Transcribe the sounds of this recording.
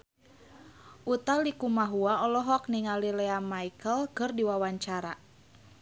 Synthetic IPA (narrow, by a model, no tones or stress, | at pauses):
ʔut̪alikumaɦuaɔlɔɦɔk̚niŋalilɛamaikəlkɨrdiwawaɲt͡ʃaɾa